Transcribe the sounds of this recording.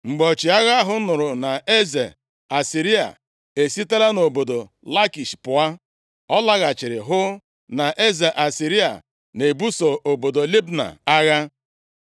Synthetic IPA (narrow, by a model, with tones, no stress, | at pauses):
ŋ͡m̩˨ɡ͡bo˨t͡ʃi˨a˦ɣa˦ɦʊ˦nʊ˨ɾʊ˨na˨e˦ze˨ | a˨si˨ɾi˦a̰˨ | e˨si˦te˦la˦no˨bo˨do˨ | la˦ki˨ʃpʊ˨a˦ | ɔ˦la˦ɣa˨t͡ʃɪ˨ɾɪ̰˨ɦʊ˦ | na˨ʔe˦ze˨ʔa˨si˨ɾi˦a̰˨ | ne˨bu˦so˨ʔo˨bo˨do˨li˦bna̰˨a˦ɣa˦